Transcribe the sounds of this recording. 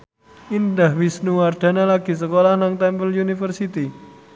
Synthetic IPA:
ind̪ahwisnuward̪̥a̤nalaɡ̥i̤səkolahnaŋt̪ɛmpəljunifərsit̪i

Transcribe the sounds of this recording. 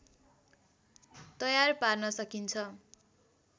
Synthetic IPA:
t̪ʌjarparnʌsʌkint͡sʰʌ

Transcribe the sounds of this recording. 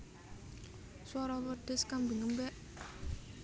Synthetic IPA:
swaɾɔwərd̪̥əskambiŋəmbɛʔ

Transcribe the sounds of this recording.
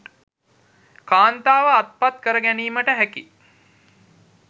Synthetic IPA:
kaːnt̪aːʋəat̪̚pat̪kəɾəɡæniːməʈəɦæki

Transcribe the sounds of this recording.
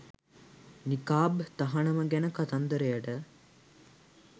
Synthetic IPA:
nikaːbt̪aɦɐɳəməɡɛnəkat̪and̪əɾejəʈə

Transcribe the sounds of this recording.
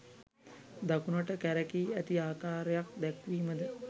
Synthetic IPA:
d̪akunəʈəkæɾəkiːæt̪iaːkaːɾejak̚d̪ɛkʋiːməd̪ə

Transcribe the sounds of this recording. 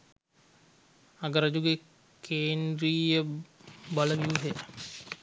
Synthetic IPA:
ɐɡəɾɐd͡ʒuɡe | kʰeːndɾiːjə | baləʋiuɦe

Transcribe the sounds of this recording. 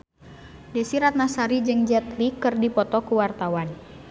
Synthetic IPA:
dɛsiɾat̪̚nasaɾid͡ʒɨŋd͡ʒɛt̪likɨrdipɔt̪ɔkuwart̪awan

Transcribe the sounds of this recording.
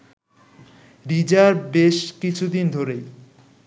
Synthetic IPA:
ɾid͡ʑaɾbeʃkit͡ɕʰud̪ind̪ʱoɾej

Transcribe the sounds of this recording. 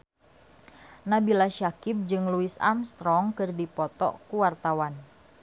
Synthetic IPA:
nabilaʃakɪp̚d͡ʒɨŋluisa̰mst̪ɾɔŋkɨrdipɔt̪ɔ̰kuwart̪awan

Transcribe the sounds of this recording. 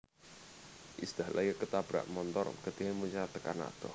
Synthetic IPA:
ʔisd̪̥ahlʔajəkət̪ab̥ɾa̰ʔmɔnt̪ɔ̰rɡ̥ət̪eɦemuɲat̪əkana̰t̪ɔ

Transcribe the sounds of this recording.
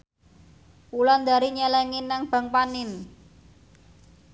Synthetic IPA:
pulɔnd̪a̤ɾiɲɛlɛŋinːaŋb̥ä̤ŋpanɪn

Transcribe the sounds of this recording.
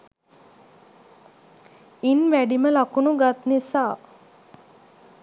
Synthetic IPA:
inʋæɖiməlakunuɡat̪nisaː

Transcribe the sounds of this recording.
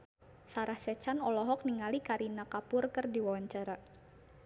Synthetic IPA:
saɾahsɛt͡ʃanɔlɔɦɔk̚niŋalikaɾinakapʊrkɨrdiwawaɲt͡ʃaɾa

